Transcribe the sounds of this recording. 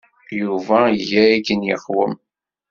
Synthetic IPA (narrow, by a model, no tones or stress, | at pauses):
juvæiʝææɡənjəχwəm